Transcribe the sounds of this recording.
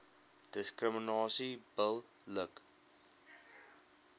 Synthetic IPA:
d̥əskrəminɑːsib̥əlˠːək

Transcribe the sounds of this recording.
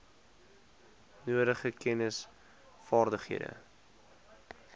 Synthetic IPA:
nuəɾəχəkɛnəs | fɑːrdəχiədə̰

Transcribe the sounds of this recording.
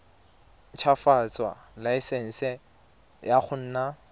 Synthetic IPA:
t͡ʃʰafat͡sʼwa̰laɪsɛn̩sɛ | jaχʊn̩ːna

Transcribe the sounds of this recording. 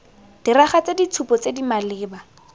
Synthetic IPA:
d̥iraχat͡sedit͡sʰupɔt͡sedimalɪːba

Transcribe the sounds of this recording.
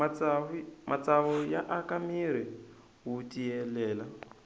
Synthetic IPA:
mat͡saβɔjaʔakʼamiɾ̤i | ɦutʼiɛlɛːla

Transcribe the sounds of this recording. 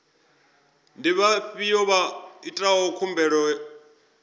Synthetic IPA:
ndiβaɸijɔβaitʼaɦɔkʰumbɛɺɔ

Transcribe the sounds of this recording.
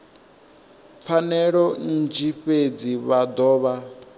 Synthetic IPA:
p̪fʰanɛɺɔn̩d͡ʒiɸed͡ziβad̪ɔːβa

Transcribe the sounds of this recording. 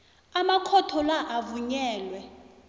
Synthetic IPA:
amakʰɔtʰɔlaʔavuɲɛːlwɛ

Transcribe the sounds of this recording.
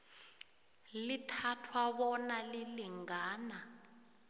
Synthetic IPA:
litʰatʰwaɓɔnaliliŋaːna

